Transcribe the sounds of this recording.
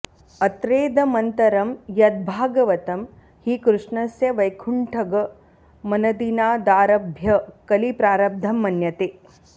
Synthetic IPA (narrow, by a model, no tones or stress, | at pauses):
ɐt̪ɾeːd̪ɐmɐnt̪ɐɾɐmjɐd̪̚bʱaːɡɐʋɐt̪ɐm | hikɾuʂɳɐsjɐʋɐjkʰuɳʈʰɐɡɐ | mɐnɐd̪inaːd̪aːɾɐbʱjɐkɐlipɾaːɾɐb̚d̪ʱɐmːɐnjɐt̪eː